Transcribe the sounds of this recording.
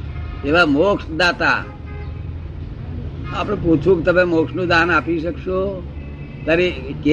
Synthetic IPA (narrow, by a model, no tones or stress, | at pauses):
eʋamoksd̪at̪a̰ | apɽeput͡ʃʰũkt̪əmemoksnũd̪anapiʃəkʃo | t̪aɾike